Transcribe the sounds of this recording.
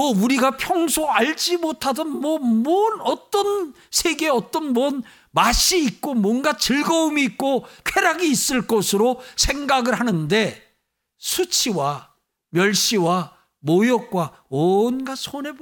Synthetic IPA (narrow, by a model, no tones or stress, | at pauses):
ʌuɾiɡapʰjʌŋsʰoaʎd͡ʑimotʰadɯnmwʌmʌnʌt͈ʌn | sʰe̞ɡe̞ʌt͈ʌnmʌn | maɕiːk̚k͈omwʌnɡat͡ɕɯɭɡʌumiːk̚k͈opʰe̞ɾaɡiːs͈ɯɭk͈ʌsʰɯɾosʰe̞ŋɡaɡɯɭhanɯnde̞ | sʰut͡ɕʰiwa | mjʌɭɕ͈iwa | mojʌk̚k͈wa | ʌnɡasʰone̞b